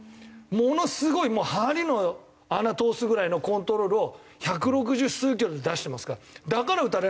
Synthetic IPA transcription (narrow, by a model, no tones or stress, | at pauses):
mo̞no̞sɨɡo̞imo̞ːhaɾʲino̞ | anat̪o̞ːsɨɡɯ̟ɾaino̞kõ̞nt̪o̞ɾo̞ːɾɯ̟o̞ | çak̬ɯ̟ɾo̞k̬ɯ̟ʑɨsɨːk̬ʲiɾod̪ed̪aɕi̥t̪e̞masɨ̥kad̪akaɾaɯ̟t̪aɾe